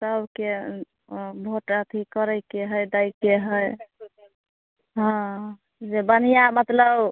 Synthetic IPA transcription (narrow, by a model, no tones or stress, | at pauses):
səbke | bʱoʈət̪ʰikəɾəjkeɦəjd̪ajkeɦəj | ɦɔ̃ | d͡ʒebənijamət̪ləb